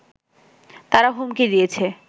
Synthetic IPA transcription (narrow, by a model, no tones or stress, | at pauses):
t̪aɾaɦumkid̪ijet͡ɕʰe